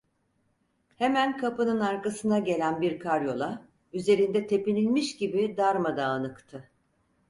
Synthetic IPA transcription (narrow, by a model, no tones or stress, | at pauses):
hemænkʰapɯnɯnaɾkasɯnaɟe̞lʲænbiɾkʰaɾjo̞lˠa | yze̞ɾind̪ɛt̪ʰe̞pinʲilʲmiʃɟibid̪aɾmad̪aːnɯkt̪ʰɯ